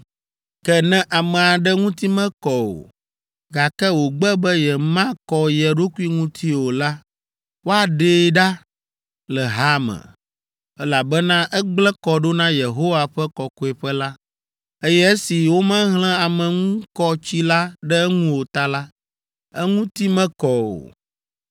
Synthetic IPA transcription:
kɛ˦nɛ̃˦ʔa˨mɛ̃˨a˨ɖɛ˦ŋũ˦t̪i˦mɛ̃˦kɔ˨wo̰˨ | ɡa˨kɛ˦wo˨ɡ͡bɛ˦bɛ˦jɛ˨mã˦kɔ˨jɛ˨ɖo˦ku˦i˦ŋũ˦t̪ʰi˦wo˨la˦ | wo˦a˨ɖe˦ɖa˦ | lɛ˨ɦa˦mɛ̰̃˨ | ɛ˦la˨bɛ˦nã˦ʔɛ˦ɡ͡blɛ˦kɔ˨ɖo˦nã˦je˨ɦo˦wa˨ɸɛ˦kɔ˨ko˨ɛ˨ɸɛ˦la˦ | e˦jɛ˦e˦si˨wo˦mɛ̃˦ɦl̃ɛ̃˦a˨mɛ̃˨ŋũ˦kɔ˦t͡ɕi˦la˦ɖɛ˦ŋũ˦wo˨t̪a˦la˦ | ɛ˦ŋũ˦t̪i˦mɛ̃˦kɔ˨wo̰˨

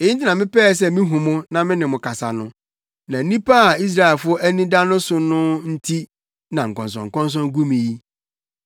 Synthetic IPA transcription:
e˨i˦n̩˦t̬ɪ˦nã˨mɪ̃˦pɛː˦˨s̬ɛ˦mɪ̃˦ɦũ˨mʊ̃˦nã˨mɪ̃˦nɪ̃˨mʊ̃˨kʰa˨sa˨nʊ̃˦ | nã˨˦nĩ˦pa˦˨i˦s̬ɾa˦ɛ˨lfʊ˦ɔ˦ʔæ˦nĩ˦da˦nʊ̃˦sʊ˨nʊ̃˦n̩˦tʰi˦ | nã˨ŋ̩˨kɔ̃˨ns̬ɔ̰̃˨ŋ̩˨kɔ̃˦ns̬ɔ̃˦nɡu˦mĩ˨ji˦

